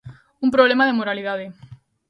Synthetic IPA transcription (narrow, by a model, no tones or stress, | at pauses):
umpɾoβlemaðemoɾaliðaðe